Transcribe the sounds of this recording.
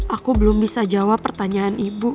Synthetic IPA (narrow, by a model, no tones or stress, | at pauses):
ʔakubəlʊmbisad͡ʒawapːərt̪aɲaːnibu